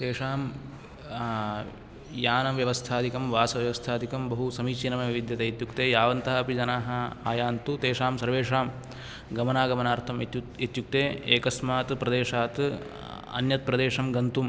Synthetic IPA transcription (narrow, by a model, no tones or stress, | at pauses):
t̪eːʂaːm | jaːnɐʋjɐʋɐst̪ʰaːd̪ikɐmʋaːsɐʋjɐʋɐst̪ʰaːd̪ʱikɐmbɐɦusɐmiːt͡ʃinɐmɐʋʋid̪jɐt̪eit̪jukt̪eːjaːʋɐnt̪aːɐpid͡ʒɐnaːɦɐ̆aːjaːnt̪ut̪eːʂaːmsɐɾʋeːʂaːm | ɡɐmɐnaːɡɐmɐnaːɾt̪ʰɐm | it̪juk̚t̪eːeːkɐsmaːt̪pɾɐd̪eːʂaːt̪ | ɐ̰njɐt̪̚pɾɐd̪eːʂɐmɡɐnt̪um